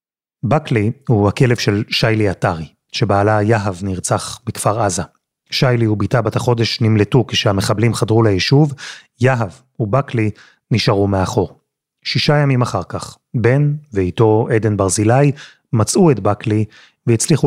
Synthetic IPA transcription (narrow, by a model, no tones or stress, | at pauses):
baklihuhake̞le̞vʃe̞lʃajliataʁi | ʃe̞baːlajaɦavniʁt͡saχbikfaʁaza | ʃajliubitabataχo̞de̞ʃnimletukeʃehameχablimχadʁulejiʃuv | jaɦav | ubakli | niʃaʁumeaχo̞ʁ | ʃiʃajamimaχaʁkaχ | be̞nveito̞ede̞nbaʁzilaj | mat͡suetbakli | veit͡sliχu